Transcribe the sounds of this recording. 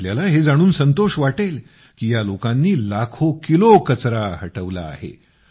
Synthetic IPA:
ljalaɦed͡zaɽ̃uːnsənt̪oɕʋaʈel | kiːjalokãnːiːlakʰokilokət͡sɾaɦəʈəʋla̰ːɦḛ

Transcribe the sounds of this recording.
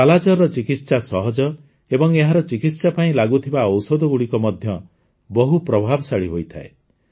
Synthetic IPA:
alad͡ʒɔɾɔt͡ʃikit̪sasɔɦɔd͡ʒɔ | ebɔŋeɦaɾɔt͡ʃikit̪sapaĩlaɡut̪ʰibaɔwsɔd̪ɔɡuɽikɔmɔd̪ʱjɔ | bɔɦupɾɔbʱabɔsaɭiɦojt̪ʰa̰e

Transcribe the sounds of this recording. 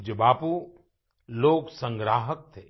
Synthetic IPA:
d͡ʒəbaːpu | loːɡsə̃ŋɡɾaːɦək̚t̪ʰeː

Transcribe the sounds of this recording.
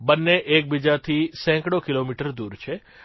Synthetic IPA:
bənːeʔek̚bid͡ʒat̪ʰisɛ̃ŋkɽokilomiʈəɾd̪uɾt͡ʃʰe

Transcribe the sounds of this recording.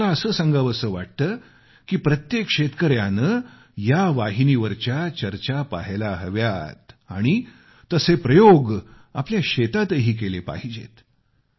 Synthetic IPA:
aəsəːsãŋɡaʋəsəːʋa̰ʈ̚t̪əː | kiːpɾət̪jekɕet̪kəɾjanə | jaʋaɦiniʋəɾt͡ɕjat͡ɕəɾt͡ɕapa̰ɦelaɦəʋjat̪a̰ɽ̃i | t̪əsepɾəjoɡ | apljaɕet̪at̪əɦiːk̬elepa̰ɦid͡ʑḛt̪

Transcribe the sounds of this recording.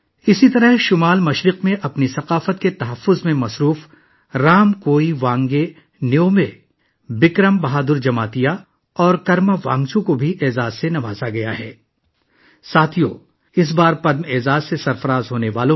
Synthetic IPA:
ɪsit̪ɐɾəɦʃʊmaːlmɐʃɾɪqmẽʔɐpnisɐqaːfət̪̚ket̪ɐɦɐfːʊzmẽmɐsɾuːf | ɾaːmkoːiʋãːŋɡe | neoːme | bɪkɾəmbɐɦaːd̪ʊɾd͡ʒɐmaːt̪ija | ɔːɾkɐɾmaʋã̰ːŋɡt͡ʃũkobʱiʔeːzaːzsenɐʋaːzaɡɐja̰ɦɛː | saːt̪ʰijo̰ | ɪs̬baːɾpɐd̪meːzaːzsesɐɾfɐɾaːzɦoːneʋaːlõ

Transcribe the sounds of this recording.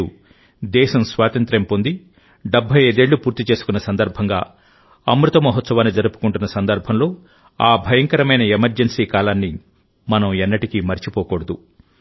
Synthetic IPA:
u | d̪ɛːʃɐmsʋaːt̪ɐnt̪ɾɐmpo̞nd̪i | ɖɐbʱːɐjeːd̪e̞ːɭːupuːɾt̪it͡ʃe̞ːsu̥kunːɐsɐnd̪ɐɾbʱɐŋɡaː | ɐmɾut̪ɐmɐɦɔt̪sɐʋaːnːid͡ʒɐɾupu̥kuɳʈunːɐsɐnd̪ɐɾbʱɐmlo̞ː | aːbʱɐjɐŋkɐɾɐmɐjnɐemɐɾd͡ʒensiːkaːlaːnːi | mɐnɐmɛnːɐʈikimɐɾit͡ʃipɔːkɔːɽɐd̪u

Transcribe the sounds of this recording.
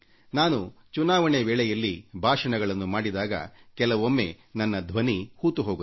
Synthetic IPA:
naːnut͡ʃunaːʋɐɳeʋɛːɭɛjɐlːibʱaːʂɐɳɐɡɐɭɐnːumaːɽid̪aːɡɐ̰kɛlɐʋomːe̞ | nɐnːɐd̪ʱʋɐnihuːt̪uɦoːɡu

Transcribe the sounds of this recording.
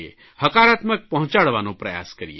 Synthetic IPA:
ḛ | hɐkaːɾaːt̪mək̚pəɦʊ̃t͡ʃaɽʋanõpɾɐja̰ːskəɾḭḛ

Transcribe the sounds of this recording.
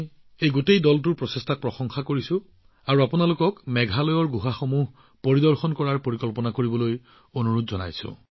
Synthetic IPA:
ejɡutejdɔltʊɹpɹɔsestʰak̚pɹɔxɔŋxakoɹisʊ̃ | aɹuapunalokɔkmɛɡʱalɔjɔɹɡuɦaxomuɦ | poɹidɔɹxɔnkɔɹaɹpoɹikɔlpɔnakoɹibɔloj | onuɹutzɔna̰jsʊ̰̃

